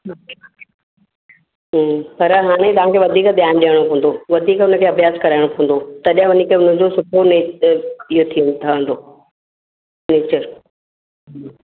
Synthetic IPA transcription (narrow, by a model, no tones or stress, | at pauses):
ɦpɐɾɦaːɽ̃et̪ɐʋ̤ãːkʰeʋɐd̪ʱiːkd̪jaːnɗijəɽ̃opõːə̃nd̪oʋɐd̪ʱiːkʊn̤ə̆kʰeːɐbʱjaːzkɐɾaːɪɽ̃opʰõə̃n̆d̪ot̪ɐɗɦə̃ʋɐnikʰeʊnə̃d͡ʑosʊpʰoneːijot̪ʰit̪ʰɐʋə̃nd̪oː | neːt͡ɕəɾ